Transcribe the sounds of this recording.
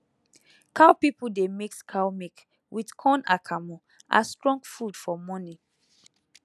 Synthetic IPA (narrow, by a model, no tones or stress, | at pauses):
kʰaʊpipudemikskʰaʊmik | wʔidkʰɔ̃na̰kʰamɔ | ʔa̰stɹɔ̃ŋɡfudfɔmɔni